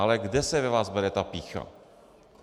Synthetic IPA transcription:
alɛɡdɛsɛvɛvaːzbɛɾɛt̪apiːxa̰

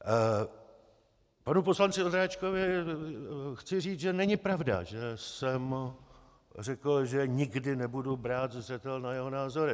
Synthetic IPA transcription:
panuposlant͡sɪod̪ɾaːt͡ʃkovɪ | xt͡sɪriːt͡sʒɛnɛɲɪpɾavda̰ʒɛsɛm | rɛkl̩ʒɛɲɪɡdɪnɛbudubɾaːt̪zr̝ɛt̪ɛlnajɛɦo̞naːzo̞ɾɪ

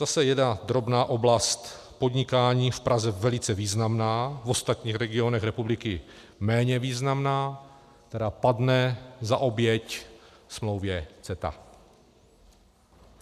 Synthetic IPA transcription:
z̥asɛjɛdnad̪ɾo̞bnaːʔo̞blast̪ | po̞dɲɪkaːɲiːfpɾʔazɛvɛlɪt͡sɛviːznamnaːvo̞st̪at̪ɲiːxɾɛɡɪo̞nɛxɾɛpublɪkɪ | mɛːɲɛviːznamnaː | k̚t̪ɛɾaːpadnɛzaʔo̞bjɛc | smlo̞wvjɛt͡sɛt̪a̰

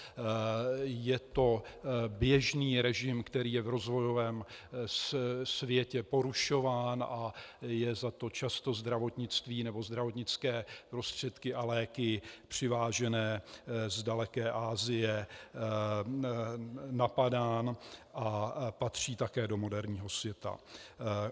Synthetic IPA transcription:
jɛt̪o̞bjɛʒniːɾɛʒɪmkt̪ɛɾiːjɛvɾo̞zvo̞jo̞vɛːmssvjɛcɛpo̞ɾuʃo̞vaːnʔajɛzat̪o̞t͡ʃast̪o̞zd̪ɾavo̞t̪ɲɪt͡st̪viːnɛbo̞zd̪ɾavo̞t̪ɲɪt͡skɛːpɾo̞st̪r̝̥ɛt̪kɪʔalɛːkɪpr̝̥ɪvaːʒɛnɛːzdalɛkɛːʔaːzɪjɛ | napadaːnʔapat̪r̝̥iːt̪akɛːdo̞mo̞dɛɾɲiːɦo̞svjɛt̪a̰

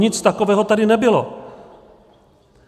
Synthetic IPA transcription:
ɲɪt͡st̪ako̞vɛːɦo̞t̪adɪnɛbɪlo̞̰

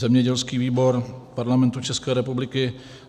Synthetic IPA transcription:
zɛmɲɛɟɛlskiːviːbo̞ɾpaɾlamɛnt̪ut͡ʃɛskɛːɾɛpublɪkɪ

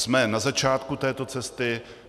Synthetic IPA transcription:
smɛnazat͡ʃaːt̪kut̪ɛːt̪o̞t͡sɛst̪ɪ

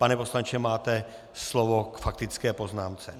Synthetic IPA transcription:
panɛpo̞slant͡ʃɛmaːt̪ɛ | slovokfak̚t̪ɪt͡skɛːpo̞znaːmt͡sɛ

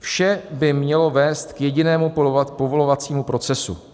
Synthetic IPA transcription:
fʃɛbɪmɲɛlo̞vɛːst̪kjɛɟɪnɛːmupo̞vo̞lo̞vat͡siːmupɾo̞t͡sɛsṵ

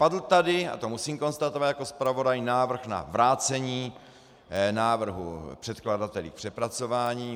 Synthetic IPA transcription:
padl̩t̪adɪa̰t̪o̞musiːmko̞nst̪at̪ovat̪jako̞spɾavo̞dajnaːvr̩xna̰vɾaːt͡sɛɲiː | naːvr̩ɦṵpr̥ɛt̪kladat̪ɛlḭːk̚pr̥ɛpɾat͡so̞vaːɲiː

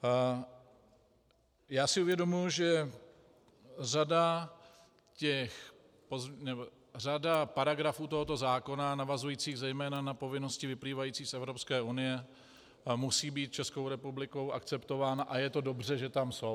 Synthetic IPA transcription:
jaːsɪʔuvjɛdo̞mujuʒɛ | rada | cɛx | poznɛbo | r̝adapaɾaɡɾafuːt̪o̞ɦot̪o̞zaːko̞nanavazujiːt͡siːɣzɛjmɛːnanapo̞vɪno̞scɪvɪpliːvajiːt͡siːsʔɛvɾo̞pskɛːʔunɪjɛ | musiːbiːt̪̚t͡ʃɛsko̞wɾɛpublɪko̞wʔakt͡sɛpt̪o̞vaːnaʔajɛt̪o̞do̞br̝ɛʒɛt̪amso̞w

